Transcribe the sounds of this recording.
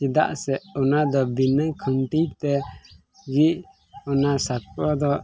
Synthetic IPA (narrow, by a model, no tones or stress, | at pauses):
t͡ʃid̪a̰ʔsɛʔɔnad̪ɔbinəkʰəɳʈijt̪ɛ | ɡiʔ | ɔnasakɔd̪ɔ